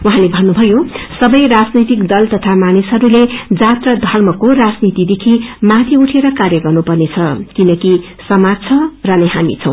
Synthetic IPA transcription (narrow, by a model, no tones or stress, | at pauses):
wɦãlebʱʌnːubʱʌjosʌbʌjrad͡znʌjt̪ikd̪ʌlt̪ʌt̪ʰamanisɦʌɾuled͡zat̪rʌd̪ʱʌrmʌkorad͡znit̪id̪ekʰimãt̪ʰiuʈʰeɾʌkarjʌɡʌrnupʌrnet͡sʰʌkinʌki | sʌmad͡zt͡sʰʌrʌnʌjɦamḭt͡sʰʌ̃w̃